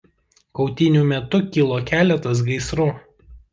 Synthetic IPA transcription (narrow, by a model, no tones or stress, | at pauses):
kɒʊt̪ʲɪnʲumʲɛt̪ʊkʲilˠoːkʲæːlʲɛt̪ɐs̬ɡɐɪsɾʊ